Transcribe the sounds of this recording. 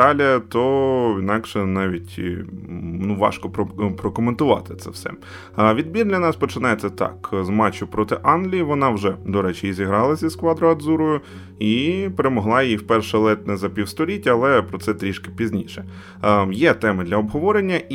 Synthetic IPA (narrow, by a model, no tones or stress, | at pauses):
ɑlʲɐt̪ɔinɑkʃɛnɑʋʲitʲ | nuʋɑ̰ʃkɔpɾpɾɔkɔment̪ʊʋɑ̰t̪ɪ̥t̪sɛ̰wsɛ̰ | ʋʲid̪̚bʲird̪lʲɐnɑspɔt͡ʃɪnɑjesʲɐt̪ɑ̰kzmɑt͡ʃʊpɾɔt̪ɪʔɑnlʲijʋɔnɑwʒɛd̪ɔɾɛt͡ʃɪjizʲiɦɾɑlˠɐsʲiskʋɑd̪ɾɔɐd̪zuɾʊjʊ | ipeɾemɔɦlˠɑjjiwpɛrʃɛlˠɛt̪nɛzɐpʲiwst̪ɔlʲitʲɐlˠɛpɾɔt̪sɛt̪ɾʲiʃkɪ̥pʲizʲnʲiʃɛ | jɛt̪ɛmɪd̪lʲɐɔbɦɔʋɔɾenʲːɐ